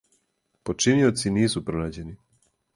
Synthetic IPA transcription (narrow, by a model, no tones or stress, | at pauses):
pot͡ʃinio̞t̪siniːsupɾonaːd͡ʑe̞ni